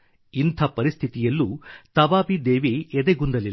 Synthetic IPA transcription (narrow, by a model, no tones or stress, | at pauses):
int̪ʰɐpɐɾist̪ʰit̪ijɐlːut̪ɐʋaːpid̪eːʋiɛd̪eɡund̪ɐli